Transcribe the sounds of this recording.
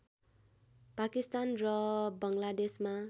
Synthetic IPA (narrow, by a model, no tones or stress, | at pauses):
pakist̪anrʌbʌŋlad̪esma